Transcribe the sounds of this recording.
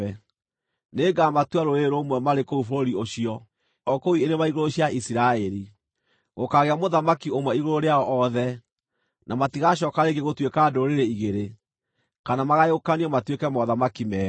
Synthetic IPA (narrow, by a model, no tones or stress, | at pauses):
ɛ | neːɡamatwaɾoeɾomwɛmaɾekoufoɾoɾioɕiɔ | ɔkoienemaiɣoɾoɕjaʔisiɾaɛɾi | ɣokaɣeamoðamakiomwɛiɣoɾoɾeaɔʔɔðɛ | nʔamatiɣaɕ̬ɔkaɾeɡeɣotwekaːdoɾeɾeiɣeɾe | kanamaɣajokaniɔmatwekɛmɔðamakimɛː